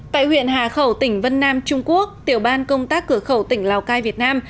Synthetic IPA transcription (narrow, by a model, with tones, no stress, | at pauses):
t̪a̰ː˧˨jhwḭ˧˨ənɦaː˨˩xə˧˩wt̪ï˧˩ŋ̟və˧nːaː˧mt͡ɕʊ˧ŋ͡mku˦˥ək̚t̪i˧˩əwɓaː˧nkə˧wŋ͡mt̪aː˦˥kːɨ˧˩əxə˧˩wt̪ï˧˩ŋ̟laː˨˩wkaː˧jvi˨˩ət̚naː˧m